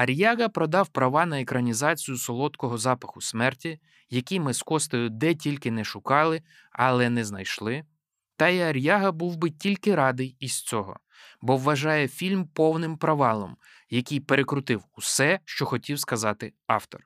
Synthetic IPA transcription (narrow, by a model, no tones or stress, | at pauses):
ɐɾʲjɑɣɐpɾɔd̪ɑwpɾɐʋɑnɐekɾɐnʲizɑt͡sʲijʊsɔlˠɔt̪kɔɦɔzɑpɐxʊsmɛrtʲi | jɐkʲijmɪskɔst̪ɔjʊd̪ɛtʲilʲkɪnɛʃʊkɑlˠɪ | ɐlˠɛnɛznɐjʃlˠɪ | t̪ɐiɐɾʲjɑɦɐbuwbɪtʲilʲkɪɾɑd̪ɪjiz̥t͡sʲɔɦɔ̰ | bɔʋːɐʒɑjɛfʲilʲmpɔwnɪmpɾɐʋɑlˠɔ̰m | jɐkʲijpeɾekɾʊt̪ɪwusɛʃt͡ʃɔxɔtʲiwskɐzɑt̪ɪɑ̰wt̪ɔ̰r